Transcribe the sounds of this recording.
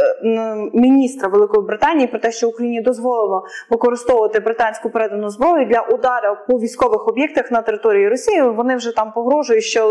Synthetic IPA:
mʲinʲist̪ɾɐʋelˠɪkɔjibɾɪt̪ɑnʲijipɾɔt̪ɛʃt͡ʃɔʊkɾɐjinʲiid̪ɔzʋɔlˠɪlˠɔʋɪkɔɾɪst̪ɔʋʊʋɐt̪ɪbɾɪt̪ɑnʲsʲkʊpeɾɛd̪ɐnʊzbɾɔjʊd̪lʲɐʔʊd̪ɑɾɐpɔʋʲijsʲkɔʋɪxɔbʲjɛk̚t̪ɐxnɐt̪eɾɪt̪ɔɾʲijiɾɔsʲijiʋɔnɪwʒɛt̪ɑmpɔɦɾɔʒʊjʊʃt͡ʃɔ

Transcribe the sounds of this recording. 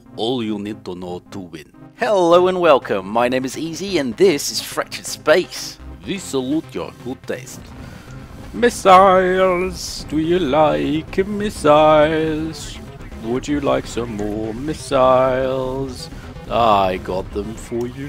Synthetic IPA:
ʔɔlˠjɔnɪ̃t̪ɔnɔtʰubɪ̰̃nhɛloʊə̃nwɛlˠkʰə̃mːaɪñẽɪ̃mɨziziɨ̃nðɪsɨz̥fɹɛt͡ʃɨd̥speɪsvisəlutjə̰˞ɡ̥ʊd̚tʰɛ̰st | mɪsaɪlˠz̥dɨjɨlaɪkɨmɪsaɪz̥ | wədɨlaɪksə̃mɔɹmɪsaɪlˠz | aɪɡɑt̪̚ðə̃ɱfə˞jɨ

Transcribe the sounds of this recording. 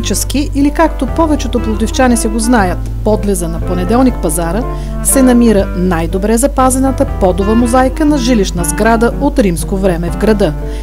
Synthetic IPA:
t͡ʃɛsk̟iʔilikakt̪opɔvɛt͡ʃɛt̪oplˠod̪ift͡ʃanisɛɡoznajət̪ | pɔd̪lɛzənɐponɛd̪ɛlˠnikpɐzaɾə | sɛnɐmiɾənajd̪obɾɛzɐpazɛnət̪əpɔd̪ovəmozajkənɐʒiliʃnəzɡɾad̪əʔot̪ɾimskovɾɛmɛvɡɾɐd̪ɤ

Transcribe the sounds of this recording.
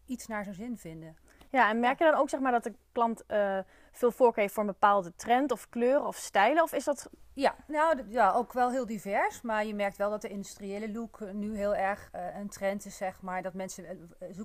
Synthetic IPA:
itsnaːɹzonzɪnvɪndə | jaɛnmɛɹkjədɔnowksɛxmaːɹdɔtəklɑntə | fɪːlˠfoːɹkejftfoːɹənbəpaːlˠdətrɛntɔfkløːrəɔfstɛjləɔfɪsdɔtjanowjaowkʋɛlˠɦɪːlˠdivɛɹsmaːɹjəmɛɹk̚tʋɛlˠdɔt̚dəɪndystrieːləluknyɦɪːlˠɛɹχəntrɛntɪsːɛχmaːɹdɔtmɛnsə

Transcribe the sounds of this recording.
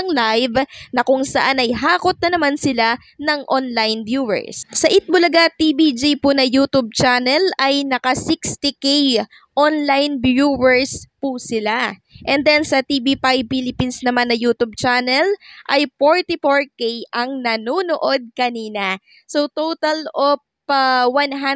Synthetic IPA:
ɐŋlajvnɐkʊŋsɐʔanɐjɦaːkot̪̚nɐnɐmansɪla | nɐŋʔonlajnbjuwɛ̰ɹssɐʔɪt̪̚mʊlɐɡat̪ibid͡ʒijpunɐjut̪ub̚t͡ʃanɛlɐjnɐkɐsikst̪ɪkej | ʔonlajnbjuwɛɹspusɪla | ʔɛnd̪ɛnsɐt̪ibipajb̚filɪpinsnɐmanːɐjuːt̪ub̚t͡ʃanɛlʔɐjfoɹt̪ɪfoɹkejʔɐŋnɐnoːnoʔod̪̚kɐniːnɐ | sowt̪owt̪ɐlop | wanɦa

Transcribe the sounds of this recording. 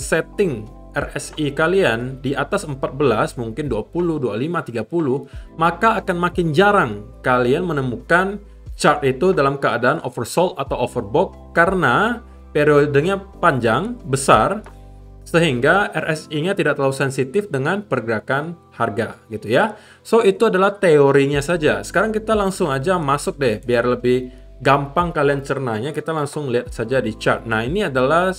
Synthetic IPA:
sɛt̪ɪŋ | ɛrɛsikaliandiʔat̪asəmpat̪̚bəlasmuŋkɪnduapulʊhdualimat̪iɡapulʊhmakaːkanmakɪnd͡ʒaɾaŋkalianmənəmukan | t͡ʃart̪it̪udalamkəadaːnʔo̰fərsɔlt̪̚at̪awofərbɔkːaɾəna | peɾiodəɲapaɲd͡ʒaŋbəsar | səɦiŋɡaɛrɛsiɲat̪idaʔ̚t̪lausɛnsit̪ɪfdəŋanpərɡəɾakan | harɡaɡit̪uja | soit̪uadalaht̪eoɾiɲasad͡ʒa̰sə̥kaɾaŋkit̪alaŋsʊŋad͡ʒamasʊk̚dɛhbiarləbɪh | ɡampaŋkaliant͡ʃərnaɲakit̪alaŋsʊŋliat̪̚sad͡ʒadit͡ʃa̰rt̪̚nahiniadala

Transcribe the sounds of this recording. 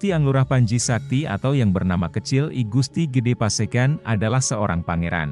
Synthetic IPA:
t̪iaŋluɾahpaɲd͡ʒisak̚t̪ia̰t̪awjaŋbərnamakət͡ʃɪlḭɡust̪iɡədepasakanadalahsəoɾaŋpaŋeɾa̰n

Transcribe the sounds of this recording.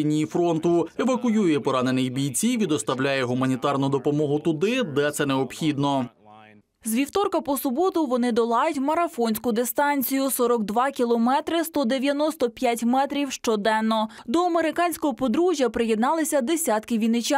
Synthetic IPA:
inʲijifɾɔnt̪ʊeʋɐkʊjujʊjɛpɔɾɑne̞nɪjbʲijt͡sʲiʋʲid̪ɔst̪ɐwlʲajɛɦumɐnʲit̪ɑrnʊd̪ɔpɔmɔɦʊt̪ʊd̪ɪd̪ɛt̪sɛnɛɔpxʲid̪nɔ | zʋʲiwt̪ɔrkɐpɔsʊbɔt̪ʊʋɔnɪd̪ɔlˠɑjʊtʲmɐɾɐfɔnʲsʲkʊd̪ɪst̪ɑnʲt͡sʲijʊsɔɾɔɡd̪ʋɑkʲilˠɔmɛt̪ɾɪst̪ɔd̪eʋʲjɐnɔst̪ɔpʲjatʲmɛt̪ɾʲiwʃt͡ʃɔd̪ɛnːɔd̪ɔɐmeɾɪkɑnʲsʲkɔɦɔpɔd̪ɾuʒʲjɐpɾɪjɛd̪nɑlˠɪsʲɐd̪esʲat̪kɪʋʲijnɪt͡ʃa

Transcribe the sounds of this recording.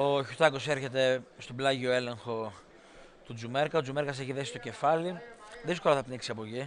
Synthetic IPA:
o̞çut̪ɐko̞se̞ɾçe̞t̪e̞st̪oblɐʝio̞e̞le̞ŋxo̞ | t̪ud͡zume̞ɾkɐod͡zumɾkɐseçiðesist̪oce̞fɐliðisko̞lɐθɐpniksiɐpoʝi

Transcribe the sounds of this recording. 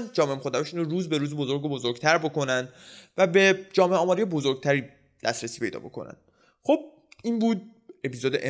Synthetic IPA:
nd͡ʒɒːmemoxoɾd̪æɾeʃunoɾuːzbe̞ɾuːzebozo̞ɾɡobozoɾɡ̥t̪ʰæɾbo̞ko̞nænd̪væbe̞d͡ʒɒːmeeɒːmɒːɾijebozoɾɡ̚t̪ʰæɾiː | d̪æst̪ɾesiːpʰe̞jd̪ɒ̰ːbo̞̰kʰo̞̰næ̰nd̪̥ | χob̥̚ | iːnbuːd̪̚ | e̞pizod̪eʔe

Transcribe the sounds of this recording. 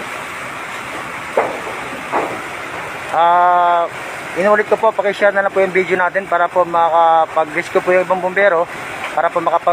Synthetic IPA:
ʔaː | ʔɪnuːlɪt̪̚kopo̞pɐkɪʃaɾnɐlɐpʊʔjʊŋbiːd̪jonaːt̪ɛnpaːɾɐpomɐkɐpɐɡɾɪskopʊːjʊŋʔɪbaŋbombɛːɾo̞ | paːɾɐpomɐkɐpɐ

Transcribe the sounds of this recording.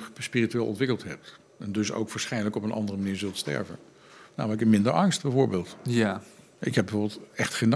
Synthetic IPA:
spiːrityʋeːlˠʔɔ̰̃ntʋɪkəlˠtɦɛp̚t | ɛndɵso̰wkʋaːsχɛjndələkɔpənʔɑ̰ndərəmaniːɹzɵlˠtstɛ̰ɹvə̰n | na̰ːmɪkɛpmɪndəɹʔɑŋst̚bɛjvoːɹbeːlˠtja | ɪkɦɛbəvoɹbɪlˠtɛχtχejn

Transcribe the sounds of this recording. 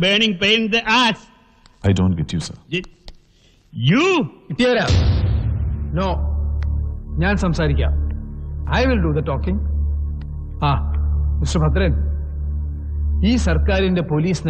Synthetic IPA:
beːnɪ̃ŋpẽːnd̪əʔaːs | ajdõːnɡɛtʰjusɐ̰ | juʈiɐɾa | noː | ɲaːnsɐmsaːɾikʲːa̰ | ɐjʋɪlɖuðɐʈɔːkɪ̃ŋ | aːɪʃɐbɐt̪ɾɐn | iːsɐrkaːɾindepoliːsnɐ

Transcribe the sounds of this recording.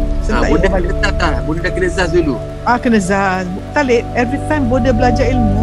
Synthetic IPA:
səaabodəalt̪at̪abonədakənəzas̬dulu | akənə̃zasbt̪alet̚ɛvɾit̪ãjmbodəbəlad͡ʒailmu

